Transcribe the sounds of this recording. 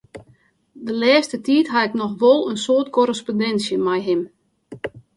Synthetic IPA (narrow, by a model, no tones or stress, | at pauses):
dəlɛːstətiːtɦaɪknɔxʋolˠənsoətkoɾəspondɛnsjəmɛjɦɪm